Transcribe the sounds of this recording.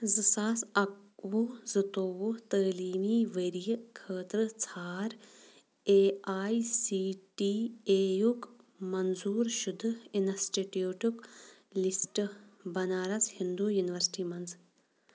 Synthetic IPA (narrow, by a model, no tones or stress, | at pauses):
zɨsaːsɐkʋuzɨt̪oːʋut̪əːliːmiːʋəɾijikʰəːt̪ɾɨt͡sʰaːɾ | eːaːjsiːʈiːeːjukmɐnzuːɾʃud̪ʱɨinɐsʈeʈioːʈuklisʈbɐnaːɾɐt͡shind̪uːjuniʋɐɾsi̥ʈiːmɐnz